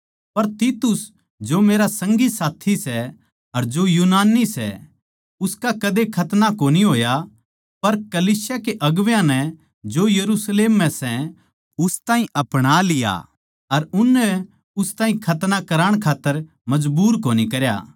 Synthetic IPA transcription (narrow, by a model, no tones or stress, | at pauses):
pɐɾt̪iːt̪ʊs | d͡ʒomeːɾasɐ̃ŋɡisaːt̪ʰisɛ | ɐɾd͡ʒojuːnaːnːisɛ̰ | ʊskakɐd̪ekʰɐt̪nakoːniɦoːja | pɐɾkɐliːsjakeʔɐɡʋjãnɛ | d͡ʒojɐɾusleːmːɛ̃sɛ | ʊst̪ãːɦĩʔɐpɽ̃alɪja̰ | ɐɾʊnːɛ | ʊst̪ãːĩkʰɐt̪nakɐɾaːɽ̃kʰaːt̪ːəɾ | mɐd͡ʒbuːɾkoːnikɐɾja̰ː